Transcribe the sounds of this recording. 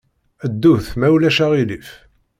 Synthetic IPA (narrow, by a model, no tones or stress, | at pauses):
əd̪ːuθmæwlæʃæʁilif